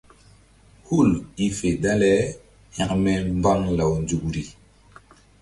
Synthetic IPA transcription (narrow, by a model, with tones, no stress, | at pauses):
hu˦˨li˨fe˨da˦lɛ˦ | hã˨kmɛ˦mba˦ŋla˨wnd͡ʒu˨kɾi˨